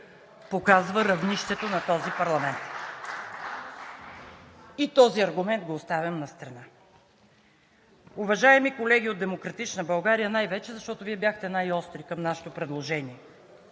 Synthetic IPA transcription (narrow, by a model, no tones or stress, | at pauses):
pokazvəɾɐvniʃt̪ɛt̪onɐt̪ɔzipɐɾlˠɐmɛnt̪ | it̪ɔziɐɾɡʊmɛnt̪̚ɡoːst̪avʲjɐmnɐst̪ɾɐna | ʊvɐʒaɛmikolɛɡʲiod̪ɛmokɾɐt̪it͡ʃnəbɐlˠɡaɾijənajvɛt͡ʃɛzɐʃt̪ɔt̪oviɛbjaxt̪ɛnajɔst̪ɾikɐmnaʃɛ̥t̪opɾɛd̪lˠoʒɛniɛ